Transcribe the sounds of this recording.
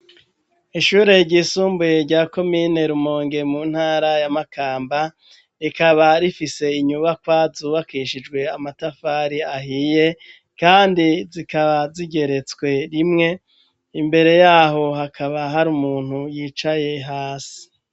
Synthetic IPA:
iʃuːɾe̞ɾɟisuːmbujeɾɟaːko̞miːne̞ɾumoːŋɡe̞muːn̥haːɾajamakʰaːmba | ikaβaɾifise̞iɲuβakwazuːβakiːʃid͡ʒɡwe̞amatafaːɾiaɦije̞ | kaːndizikaβaziɟe̞ɾe̞t͡swe̞ɾimŋe̞ | imbe̞ɾe̞jaːɦo̞ɦakʰaβaɦaɾumuːn̥hujiːt͡ʃaje̞ɦaːsi̥

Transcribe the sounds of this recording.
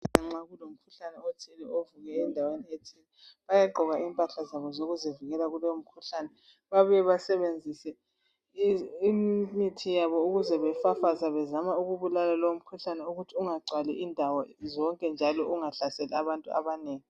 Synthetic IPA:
aŋ͡ǁaɣulom̩kʰuɬanɛotʰilɛovuɣɛːndʱawenietʰilɛβajaɡ͡ǃʱɔɣaʔiːmpʼaɬazaβɔzoɣuzɛviɣɛlaɣulɔwom̩kʰuɬaːnɛ | βaβɛβasɛβend͡zʱisɛ | immitʰijaβɔuɣuzɛβɛfafazaβɛzamauɣuβulalalɔwom̩kʰuɬanɛuɣutʰiuŋaɡ͡ǀʱwalɛʔindʱawɔzɔŋkʼɛnd͡ʒʱalɔʔuŋaɬasɛlɛaβantʼua̰βaneːŋi

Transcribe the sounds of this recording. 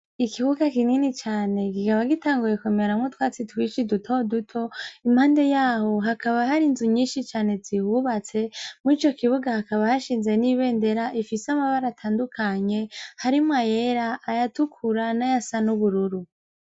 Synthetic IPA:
ikiβuɡakininit͡ʃaːne̞kikaβaɡitaːŋɡuje̞kumaɾamŋutwaːt͡sitwiːʃidutʰo̞dutʰo̞imhaːnde̞jaːho̞ɦakaβaɦaɾinzuɲiːnʃit͡ʃaːne̞zihuβat͡se̞muit͡ʃo̞kiβuɡahakaβahaʃiːnze̞niβe̞ːnde̞ɾaʔifisamaβaɾatʰaːndukʰaɲe̞haɾimwajeɾaʔːjatukʰuɾanajasanuβuɾuɾu

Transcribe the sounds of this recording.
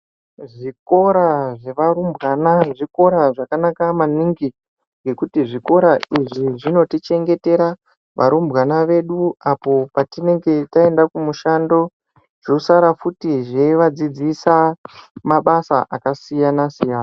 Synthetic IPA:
ʐiko̞ɾaʐe̞ʋaɾumbɣanaʐiko̞ɾaʐakanakamaniŋɡi | ŋɡe̞kutiʐiko̞ɾaiʐiʐino̞tit͡ʃe̞ŋɡe̞te̞ɾa | ʋʔaɾumbɣanaʋe̞ɗuapo̞patine̞ŋɡe̞tae̞ndakumuʃando̞ | ʐ̥osaɾafutiʐe̞ʋad͡zid͡zisamaɓasaʔakasijanasijaːna

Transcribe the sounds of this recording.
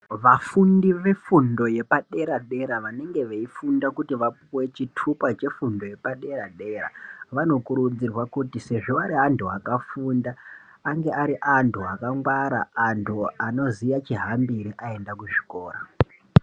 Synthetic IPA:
ʋafundiʋe̞fundo̞je̞paɗe̞ɾaɗe̞ɾaʋane̞ŋɡe̞ʋeifundakutiʋapwe̞t͡ʃitʰupat͡ʃe̞fundo̞je̞paɗe̞ɾaɗe̞ɾa̰ʋano̞kuɾud͡zirwakutise̞ʐo̞aɾiantʰuakafundaː | ŋɡe̞ʔaɾiʔantʰuakaŋɡwaɾaːntʰuano̞zijat͡ʃiɦambiɾiʔae̞ndakuʐi̥ko̞ːra̰

